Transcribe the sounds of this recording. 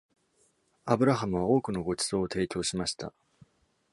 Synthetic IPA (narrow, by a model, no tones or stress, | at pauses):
abɯ̟ɾaɦamɯ̟β̞ao̞ːkɯ̟no̞ɡo̞t͡ɕi̥z̥o̞ːt̪e̞ːt͡ɕʲo̞ːɕimaɕi̥t̪a̰